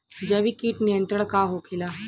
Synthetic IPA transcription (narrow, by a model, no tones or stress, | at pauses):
d͡ʒɐʋikiːʈnijə̃nt̪ɾəɽ̃kaɦokʰɪlaː